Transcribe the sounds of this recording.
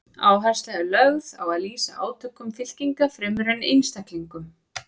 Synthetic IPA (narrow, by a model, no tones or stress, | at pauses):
aːwɦaɾ̥st̪aʏlœɣða̰waðliːsaaːwt̪ʰœkːʏmfɪl̥ciŋkafɾɪːmʏɾɛnːejnst̪akliŋkʏm